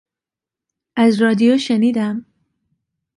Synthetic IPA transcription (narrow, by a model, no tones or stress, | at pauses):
ʔæzrɒːd̪ijoʃeniːd̪æm